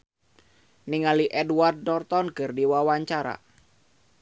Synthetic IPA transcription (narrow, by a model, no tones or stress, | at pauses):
niŋaliʔɛduard̪̚nɔrt̪ɔnkɨrdiwawaɲt͡ʃaɾa̰